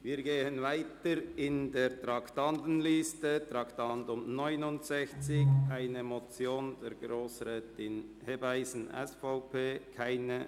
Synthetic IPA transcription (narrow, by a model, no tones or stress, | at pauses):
viːɾɡeːənvaɪtəɾɪndeːɾtɾɑktɑntn̩liːstət̪ɾɑktɑntʊmnɔʏnʊntsɛçt͡sɪçʔaɪnəmɔt͡sjoːndɛɾɡɾoːsɾɛːtɪnhebaɪsn̩ʔɛ̰sfaʊpʰeːkʰaɪnə